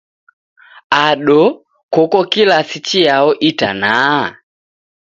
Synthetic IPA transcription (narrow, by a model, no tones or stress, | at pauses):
aɗɔ | kɔkɔkilasit͡ʃiaɔʔita̰na